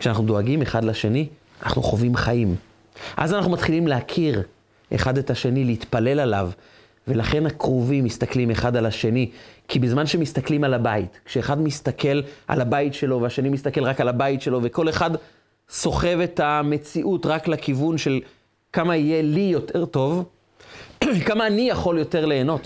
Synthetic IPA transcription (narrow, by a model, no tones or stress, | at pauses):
kʃeanaχnudoaɡimeχadlaʃe̞ni | ana̰χnuχo̞vimχaʔim | ʔa̰zanaχnumat̪χilimleakʰiʁ | ʔḛχadetaʃe̞nileit̪pale̞lalav | ve̞laχe̞nakʁovimːist̪aklime̞χadalaʃe̞nikʰibezmanʃe̞mistaklimalabaitkʃeːχadmist̪akʰe̞lʔa̰labaitʃe̞lo̞veaʃe̞nimistakelʁakalabaitʃe̞lo̞ve̞ko̞le̞χad | so̞χe̞vetame̞t͡siʔutʁaklakivunʃe̞l | kamaije̞lijo̞tʰe̞ʁto̞v | kamaːnijaχo̞ljo̞te̞ʁle̞ːno̞t